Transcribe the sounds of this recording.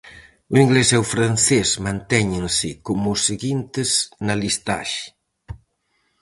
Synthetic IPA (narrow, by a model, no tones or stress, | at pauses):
uiŋɡlesɛwfɾanθesmãnt̪ɛɲensɪkomuseɣint̪eznalist̪a̰ʃ